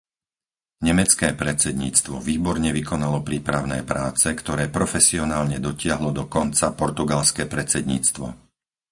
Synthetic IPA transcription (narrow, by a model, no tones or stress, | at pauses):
ɲɛmɛt͡skɛːpɾɛt͡sɛd̪ɲḭːt͡st̪ʋɔʋiːbɔɾɲɛʋikɔnalɔpɾiːpɾaʊnɛ̰ːpɾaːt͡sɛkt̪ɔɾɛːpɾɔfɛsiɔnaːlɲɛd̪ɔcɪaɦlɔd̪ɔkɔnt͡sapɔɾt̪uɡalskɛːpɾɛt͡sɛd̪ɲḭːt͡st̪ʋɔ̰